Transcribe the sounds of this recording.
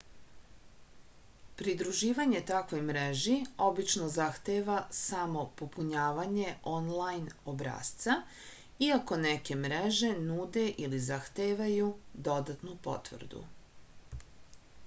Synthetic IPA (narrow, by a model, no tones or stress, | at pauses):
pɾid̪ɾuʒiːʋaɲe̞t̪akʋo̞jmɾeʒio̞bit͡ʃnozaxt̪eʋasamo̞popuɲaːʋaɲe̞ʔo̞nlajno̞bɾa̰ːst̪sa | iako̞neke̞mɾeʒe̞nuːd̪e̞ʔilizaxt̪eːʋajud̪o̞d̪at̪nupo̞̰t̪ʋr̩d̪ṵ